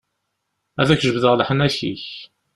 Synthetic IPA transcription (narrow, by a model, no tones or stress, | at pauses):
æðæçʒəbðəʁləħənæçḭç